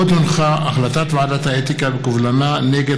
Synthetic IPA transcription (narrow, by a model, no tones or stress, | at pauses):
ot̪onχaʔaχlat̪at̪veadat̪aet̪ikabekuvlananeɡe